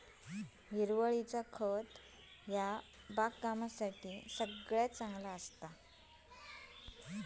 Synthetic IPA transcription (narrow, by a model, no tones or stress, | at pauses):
ɦiɾʋəɭit͡sakʰət̪ | ɦja | bakɡamasaʈisəɡɭjat͡sãŋɡlaəst̪a